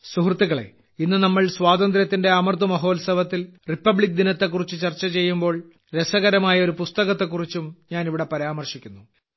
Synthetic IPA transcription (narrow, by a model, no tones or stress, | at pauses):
suhrt̪ːiɣɐɭe̞̰ | inːɨnɐmːɐɭswaːd̪ɐnd̪ɾjɐt̪ːinde̞ɐmɐrt̪umɐɦo̞ːlsɐʋɐt̪ːilripːɐbɭik̚d̪inɐt̪ːe̞kːurit͡ɕːut͡ɕɐrt͡ɕːɐt͡ɕe̞jːumbo̞ːɭ | ɾesɐɣɐɾɐmaːjɐo̞ɾupust̪ɐɣɐt̪ːe̞k̬ːurit͡ɕːumɲaːniʋiɽe̞pɐɾaːmɐrʂikʲːunːu